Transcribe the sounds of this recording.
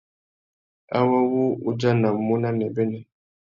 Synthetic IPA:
a̰˦wa˦wu˦u˦d͡ʒa˦na˨mu˦na˦nɛ˨bɛ˦nɛ˨

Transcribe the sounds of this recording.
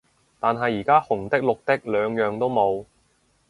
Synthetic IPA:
t̪aː˨nɦɐ˨jːiː˨˩kaː˥hʊ˨˩ŋt̪ɪ˥k̚lʊ˨k̚t̪ɪ˥k̚lœː˨˧ŋjœː˨ŋt̪o˥wmo˨˧w

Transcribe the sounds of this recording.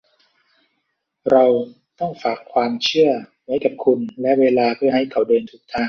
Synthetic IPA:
ɾa˧w | t̪ɔ˥˩ŋfaː˨˩kʰːwaː˧mt͡ɕʰɯ˥˩ɐ | wa˦˥jka˨˩p̚kʰu˧nlɛ˦˥ʔweː˧laː˧pʰɯ˥˩ɐɦa˥˩jkʰa˩wdɤː˧nt̪ʰu˦˥k̚t̪ʰaː˥˩ŋ

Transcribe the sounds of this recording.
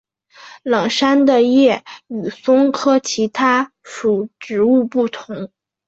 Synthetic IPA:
lɤ˨˩ŋʂa˥nd̪ə˨jɛ˥˩y˨˩sʊ˥ŋkʰɤ˥t͡ɕʰi˧˥t̪ʰa˥ | ʂu˨˩ʈ͡ʂɻ̩˧˥u˥˧pu˥˩t̪ʰʊ˧˥ŋ

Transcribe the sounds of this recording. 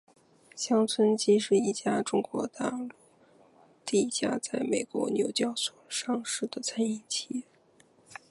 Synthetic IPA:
ɕjɑ˥ŋt͡sʰwə˥nt͡ɕi˥ʂɻ̩˥˧i˥˩t͡ɕja˥ʈ͡ʂʊ˥ŋkwɔ˧˥t̪a˥˧lu˥˩ | t̪i˥˩˧t͡ɕja˥t͡sa˥˩ɪme˨˩ɪkwɔ̰˧˥njo˨˩ʊt͡ɕjɑ˥˩ʊswɔ˨˩ʂɑ˥ŋʂɻ̩˥˩d̪ə˩t͡sʰa˥ni˥˩ŋt͡ɕʰi˥

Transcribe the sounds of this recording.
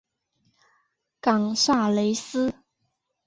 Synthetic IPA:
kɑ˨˩ŋʂa˥˩le˧˥ɪsɹ̩˥

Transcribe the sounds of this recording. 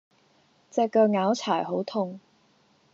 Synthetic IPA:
t͡sɛː˨˧kːœː˧ŋaː˨˥wt͡sʰaː˨˩jɦo˨˥wt̪ʰʊ˧ŋ

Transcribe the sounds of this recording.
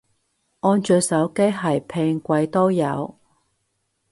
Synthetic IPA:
ŋɔː˧˥nt͡ʃœː˨˧sɐ˨˥wke˥jɦɐ˨˩jpʰe˧ŋkʷɐ˧jt̪o˥wjɐ̰˨˧w

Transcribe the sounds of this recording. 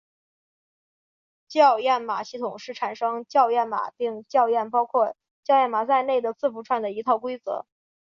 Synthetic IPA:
t͡ɕjɑ˥˧ʊjɛ˥˩nma̰˨˩ɕi˥˩t̪ʰʊ˨˩ŋʂɻ̩˥˩ʈ͡ʂʰa˨˩nʂɤ˥ŋt͡ɕjɑ˥˧ʊjɛ˥˩nma̰˨˩˦pi˥˧ŋt͡ɕjɑ˥˧ʊjɛ˥˩npɑ˥ʊkʰwɔ˥˧ | t͡ɕjɑ˥˧ʊjɛ˥˩nma˨˩t͡sa˥˧ɪne˥˩ɪd̪ə˩t͡sɹ̩˥˩fu˧˥ʈ͡ʂʰwa˥˩nd̪ə˩i˧˥t̪ʰɑ˥˩ʊkwe˥ɪt͡sɤ̰˧˥

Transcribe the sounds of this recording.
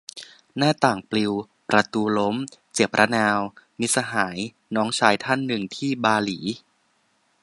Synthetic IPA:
naː˥˩t̪aː˨˩ŋpli˧w | pɾa˧t̪uː˧lo˦˥mt͡ɕe˨˩p̚ɾʔa˦˥naː˧wmi˦˥sa˧ɦaː˩˦j | nɔː˦˥ŋt͡ɕʰaː˧jt̪ʰa˥˩nːɯ˨˩ŋt̪ʰiː˥˩baː˧liː˩˦

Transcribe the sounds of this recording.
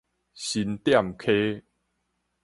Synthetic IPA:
ɕi˧nt̪ja˥˨mkʰe˦

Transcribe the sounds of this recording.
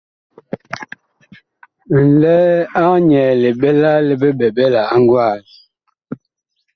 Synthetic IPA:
n̩˨lɛ˦a˦ɲɛ˨le˨ɓɛ˦la˦le˦be˦ɓɛ˨ɓɛ˦la˨a˦ŋ˦ɡwa˦˨l

